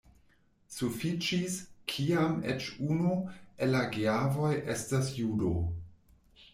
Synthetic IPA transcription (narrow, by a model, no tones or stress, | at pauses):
sufit͡ʃiskʰiamḛt͡ʃunuelaɡiavo̞jʔe̞stasjudo̰